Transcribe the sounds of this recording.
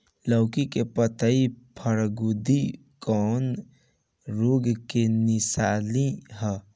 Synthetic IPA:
ləʊkikepət̪əipʰəɾɡud̪i | kɔn | ɾoɡkenɪsaːliɦɛ

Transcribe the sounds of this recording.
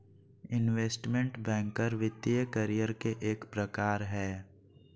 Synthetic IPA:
ɪnʋeːsʈmẽɳʈbɛ̃ːŋkəɾʋɪt̪ːijəkəɾijəɾkeʔeːkpɾəkaːɾɦɛː

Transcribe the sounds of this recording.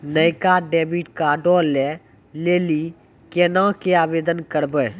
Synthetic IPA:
nəjkaɖɛːbiʈkaɖɔːlɛ | leːli | keːnãkeaːbeːd̪ənkəɾbəː

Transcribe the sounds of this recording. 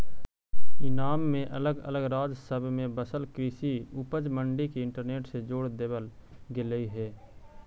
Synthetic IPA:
ɪnaːmːẽʔɐləɡə̰ləɡɾaːd͡ʒsəbʱmẽbəsəlkɾiːsiupəd͡ʒmə̃ɳɖikiɪ̃ɳʈəɾneːʈsed͡ʒoːɽd̪eːbəlɡɪləiɦɛː

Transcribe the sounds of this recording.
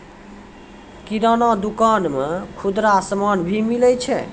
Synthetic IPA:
kiɾənad̪ukanmekʰud̪ɾasəmanbʱimilɛt͡ʃʰɛ

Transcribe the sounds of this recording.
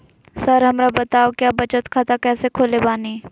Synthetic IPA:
sɐɾɦɐmɾabɐt̪aːokjaːbɐt͡ʃət̪kʰaːt̪akɛːsekʰoːlebaːniː

